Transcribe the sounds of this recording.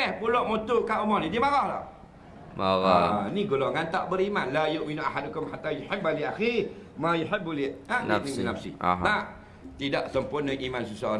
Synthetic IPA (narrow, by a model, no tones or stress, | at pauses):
ɛhpulɔʔmot̪ukaumɔhnĩdiəmaɣahla̰h | maɣaniɡolɔŋant̪aʔbəɾimanlajoʔminuʔaɦadukʊmħat̪ːajʊħabaliaximajuħɪbulianninafsɪ̰a | t̪idaʔsəmpʊrnəŋimansəsaoɾ